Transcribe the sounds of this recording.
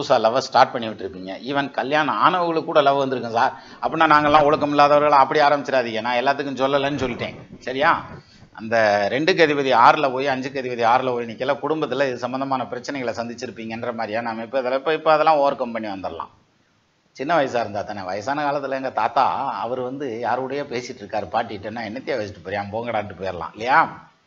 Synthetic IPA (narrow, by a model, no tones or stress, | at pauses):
uːsaːlɐʋɐsʈaːɾʈ̚pɐɳːɪʋɪʈːɪɾɯpːiːŋɡɐʔɪʋɐnkɐljaːnɐa̰ːɳɐʋɐɣɐɭɯkːuːɽɐlɐʋɐʋɐnd̪ɯɾɯkːɯ̃saːɾ | ɐpːɐnːaːnaːŋɡɐlːãːɔɭɯkːɐmɪlːaːðɐʋɐɾɣɐɭaɐpːɐɽiaːɾɐmbɪt͡ʃːɪɾaːðɪŋɡɐnːaːɛlːaːt̪̬ːɯkːɯ̃sɔlːɐlːɐnːɯsɔlːɪʈːḛ̃ːsɐɾɪjaː | ʔɐ̰nd̪ɐɾɛɳɖɯk̬ɐðɪʋɐðiaːɾlɐpoːjiɐɲd͡ʒɯkɐðɪpɐðiaːɾɯlɐpoːjnɪkːɐlːakʊɽʊmbɐt̪ːɪlɐɪðɯsɐmbɐnd̪ɐmaːnɐpɪɾɐt͡ʃːɐnɛɪɣɐɭsɐnd̪ɪt͡ʃːɪɾɯpːiːŋɡɐɛndrɐmaːɾɪjaːnaːmɐɪpːoɪðɐlɐɪpːoːɪpːoɐðɐlːãːoːʋɾkɐmpɐniʋɐnd̪ɪɾɐlã̰ː | t͡ʃɪnːɐʋɐjɐs̬ɯaːɪɾɯnd̪aːt̪ːaːnɐʋɐjɐsaːnɐkaːlɐt̪ːɪlɛŋɡɐt̪aːt̪a̰ːɐʋɐɾɯʋɐnd̪ɯjaːɾɯɯɽɐjeːpeːsɪʈːɪɾɯkːaːɾɯpaːʈːɪɪʈːɯnːaːɛnːɐt̪ːɪjaʋɐt͡ʃːɪʈːɯpɐɾɪjaːmpoːŋɡɐɽaːʈːɯpoːjɪɾɐlã̰ːɪlːɐjaː